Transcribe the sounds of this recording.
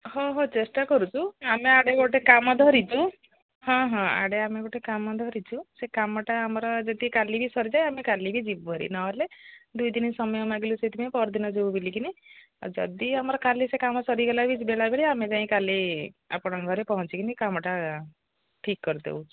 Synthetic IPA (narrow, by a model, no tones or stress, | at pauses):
ɦɔ̃ɦot͡ʃesʈakɔɾut͡ʃʰuameaɽeɡoʈekamɔd̪ʱɔɾit͡ʃʰu | hɔ̃ɦɔ̃a̰ɽeameɡoʈekamɔd̪ʱɔɾit͡ʃʰusekamɔʈaːmɔɾɔd͡ʒɔd̪ikalibʱisɔɾid͡ʒajamekalibʱid͡ʒibbʱɔɾḭnɔɦled̪ujd̪inisɔmɔjɔmaɡeluset̪ʰipaĩpɔɾd̪inɔd͡ʒowbilikinḭ | d͡ʒɔ̰d̪iamɔɾɔkalisekamɔsɔɾiɡɔlabʱit͡ʃibelajbeɭiamed͡ʒaĩkalia̰pɔɽ̃ɔɡʱɔɾepɔɦɔt͡ʃikinikamɔʈa | ʈʰikːɔɾid̪ḛwt͡ʃʰ